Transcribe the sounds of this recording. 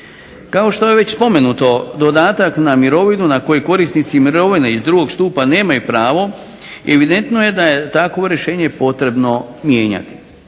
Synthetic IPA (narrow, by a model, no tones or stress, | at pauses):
kao̞ʃt̪o̞jeʋe̞t͡ɕspo̞me̞nut̪o̞d̪o̞d̪aːt̪aknamiɾo̞ʋinunako̞jojko̞ɾisnit̪simiɾoʋineizd̪ɾuɡo̞ɡst̪uːpane̞ːmajupɾaːʋo̞ | e̞ʋid̪e̞nt̪no̞je̞d̪aje̞t̪akʋoɾje̞ʃe̞ːɲe̞po̞t̪ɾe̞bno̞mje̞ːɲa̰t̪i̥